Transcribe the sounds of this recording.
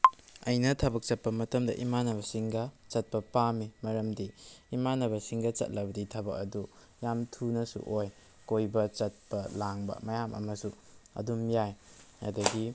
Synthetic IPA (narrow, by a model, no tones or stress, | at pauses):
ɐjnɐtʰɐbɐk̚t͡ʃɐt̚pɐmɐtɐmdɐʔimanɐβɐsiŋɡɐt͡ʃɐt̚pɐpamimɐɾɐmdiimanɐβɐsiŋɡɐt͡ʃɐ̰t̚lɐbɐditʰɐbɐk̚ɐ̰du | jamtʰunɐsṵʔoj | kojbɐt͡ʃɐt̚pɐlaŋbɐ̰mɐjamʔɐ̰mɐsu | ɐ̰dumjajɐdɐɡi